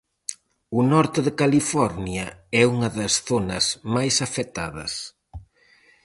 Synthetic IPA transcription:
ʊnɔɾt̪eðɪkalifɔɾnjɐɛuŋɐðɐsθonɐsmajsɐfɛt̪aðɐ̰s

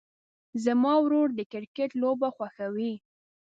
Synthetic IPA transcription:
zamɑwɾoɽd̪əkɪɾkeʈlobaxwaxawi

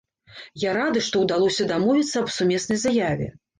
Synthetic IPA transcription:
jaɾad̪ɨʂt̪ɔwd̪alˠɔsʲɐd̪amɔvʲit̪sːɐːbsumʲɛsnɐjzajavʲɛ̰

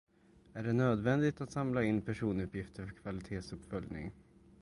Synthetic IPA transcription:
æɖɛnøːd̪vɛnd̪ɪt̪at̪samlaɪnːpʰæʂuːnɵpjɪft̪əɾfœɾkʰvalɪt̪ʰeːsɵpːfœljnɪ̰ŋ

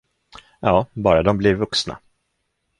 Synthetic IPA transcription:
jɑːbɑːɾad̪ɔmblɪɾvɵksna̰

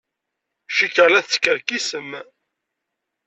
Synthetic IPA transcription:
ʃikəlæθt͡sːkəɾkisəm

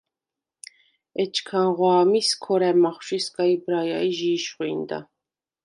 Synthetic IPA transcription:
ɛt͡ʃʰkʰanʁwaːmiskʰɔɾɛmɑχʃiskaibɾajaiʒiːʃχuind̪a̰

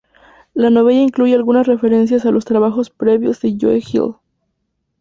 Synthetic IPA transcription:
lano̞βeʝaiŋkluʝe̞alɣunasre̞fe̞ɾe̞ns̬jasalo̞st̪ɾaβaxo̞spɾe̞βjozðeʝo̰exḭl

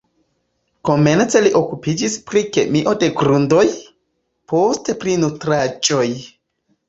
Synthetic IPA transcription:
ko̞me̞nt͡se̞liʔo̞kupid͡ʒispɾike̞miʔo̞de̞ɡɾundo̞j | po̞ste̞pɾinutɾad͡ʒo̞j

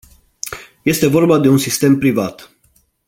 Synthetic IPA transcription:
je̞st̪e̞vo̞rbad̪e̞unsist̪e̞mpɾivat̪

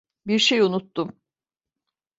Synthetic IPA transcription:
biɾʃejunut̪ːum

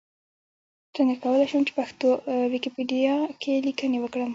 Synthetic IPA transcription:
t̪ənekawəlajʃəmt͡ʃe̥paxt̪owikipeɖijɑkʰelikənewəkɽəm

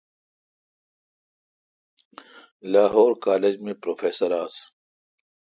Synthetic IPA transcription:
laːɦoːɾkaːled͡ʑmẽpɾoːfeːsəɾaːs

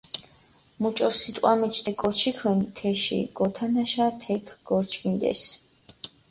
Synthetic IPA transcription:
mut͡ʃʼɔsit̪ʼqʼwamɛt͡ʃʰt̪ɛkʼɔt͡ʃʰikʰənt̪ʰɛʃḭɡ̥ɔt̪ʰanaʃat̪ʰɛkʰɡ̥ɔɾt͡ʃʰkʰind̪ɛ̰s

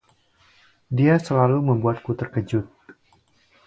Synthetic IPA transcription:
diasəlaluməmbuat̪̚kut̪ərkəd͡ʒʊt̪̚

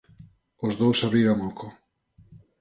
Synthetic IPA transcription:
ozðowsaβɾiɾoŋokʰo

